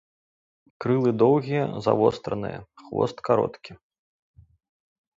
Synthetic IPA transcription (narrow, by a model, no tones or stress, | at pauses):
kɾɨlˠɨd̪ɔwɣʲijɐza̰vɔst̪ɾɐnɨ̰jɐ̰xvɔ̰st̪kaɾɔ̰t̪kʲi